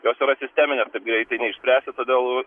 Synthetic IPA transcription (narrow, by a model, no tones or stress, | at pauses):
joːsiɾɐsʲɪsʲt̪ʲæːmʲɪnʲeːst̪kɐɪp̚ɡɾʲɛɪt̪ɐɪnʲɛɪʃʲsʲpʲɾʲæːsʲɪt̪oːd̪ʲeːlˠ